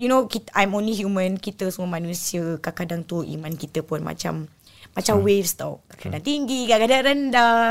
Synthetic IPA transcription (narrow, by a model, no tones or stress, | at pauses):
junokit̪ʔajmõnliɦjumə̃nkit̪əsuməmanũsiəkakadaŋt̪uʔḭmãnkit̪əpʊnma̰t͡ʃa̰mː | at͡ʃamwefst̪a̰kakadaŋt̪iŋɡikakadaŋɾənda